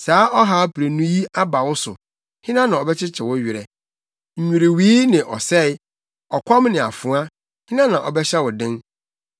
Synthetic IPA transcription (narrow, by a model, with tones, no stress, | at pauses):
saː˨˦ʔɔ˦ɦa˦pʰɾe˨nũ˦ji˦a˦ba˨wʊ˦sʊ̰˨ | hɪ̃˦nã˦nã˨ɔ˨bɛ˦t͡ɕʰɪ˦t͡ɕʰɪ˨wɔ˦ɥɪ˨ɾɛ˨ | ɲ̩˨ɲᶣũ˨ɾe˨wiː˦nɪ̃˨ʔɔ˨sɛ˦˨˦ | ɔ˨kʷʰɔ̃˦mnɪ̃˨a̰˨fʊ˨˦a˦ | hɪ̃˦nã˦nã˨ʔɔ̰˨bɛ˦ɕɛ˦wɔ˨dɪ̃˦n